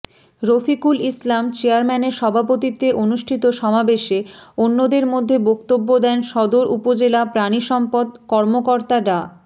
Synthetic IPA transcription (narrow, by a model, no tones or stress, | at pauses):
ɾofikulislamt͡ɕeaɾmɛneɾʃɔbʱapot̪it̪eʔonuʃʈʰit̪oʃɔmabeʃeonːod̪eɾmod̪ʱːebokt̪obːod̪ɛnʃɔd̪oɾupod͡ʑelapɾaniʃɔmpod̪kɔɾmokoɾt̪aɖa